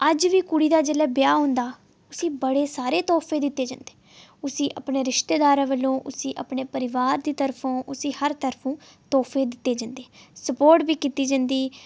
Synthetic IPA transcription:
əd͡ʒʋiːkʊɽiːd̪aːd͡ʒeːlɛːbɪjaːɦõːnd̪aː | ʊsĩːbəɽeːsaːɾeːt̪ɔːpʰeːd̪ɪt̪ːeːd͡ʒãːnd̪e̥ː | ʊsĩːʔə̰pɳeːɾɪʃt̪eːd̪aːɾãːʋəlːõːʔʊsĩːʔəpɳeːpəɾɪʋaːɾd̪iːt̪əɾpʰõːʔʊsĩːhəɾt̪əɾpʰũːt̪ɔːpʰeːd̪ɪt̪ːeːd͡ʒãːnd̪eːsəpoːɾʈbiːkiːt̪iːd͡ʒə̃ːnd̪iː

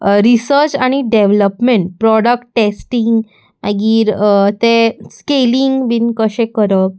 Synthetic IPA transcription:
ɾisəɾt͡ɕaɽ̃iɖeʋləpmeɳʈ̚pɾɔɽək̚ʈːesʈiŋɡ | aɡiːɾt̪eskeliŋɡbinkəɕẽkəɾə

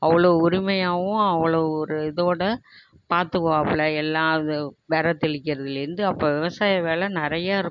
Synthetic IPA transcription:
ɐʋɐɭoːʊɾɪmɐjaːʋʊ̃ɐʋɐɭoːɔɾɯɪðoːɽɐ | paːɾt̪ɯɣõɐpɪɭɐɛlːaːðɯʋɛɾɐt̪ːɪɭɪkːɪɾɐðɪlɪɾɯnd̪ɯɐpːoːʋɪʋɐsaːjɐʋeːlɛnɪɾɐjaːɪɾɯ

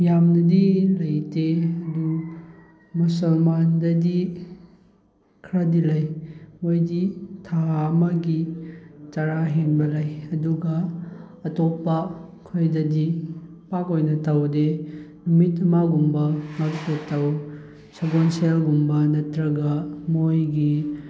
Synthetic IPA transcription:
jamnɐdilɐjteɐdu | musɐlmandɐdi | kʰɾadilɐjmojditʰaːmɐɡi | taɾaɦenbɐlɐjɐduɡɐː | topːɐkʰojdɐdi | pakojnɐtawdenumitɐmaɡumbɐŋaktɐtaw | saɡonselɡumbɐnɐtɾɐɡɐmojɡi

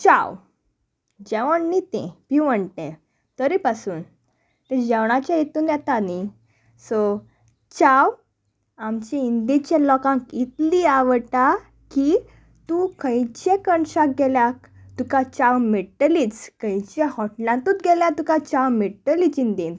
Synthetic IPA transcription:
t͡ɕaw | d͡ʑɛʋəɳnit̪ḛ̃piʋəɳʈ̪ẽ | t̪əɾipasuːn | t̪ɛ̃d͡ʑɛʋɳ̃at͡ɕjajet̪uːnjɛt̪ani | sɔ | t͡ɕaw | amt͡ɕɛ̃ind̪it͡ɕelɔkãkit̪liaʋəʈa | ki | t̪ũkə̃jt͡ɕẽkəɳɕak̚ɡɛljak | t̪ukat͡ɕawmeʈəliːt͡skə̃jt͡ɕẽhɔʈlãnt̪ũt̪̚ɡɛljãt̪ukat͡ɕawmeɽʈəliːt͡sind̪in

